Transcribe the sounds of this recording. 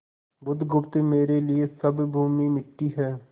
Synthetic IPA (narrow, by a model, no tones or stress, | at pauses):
bʊd̪ʱɡʊpt̪emeːɾeliesɐbbʱuːmimɪʈːiɦɛː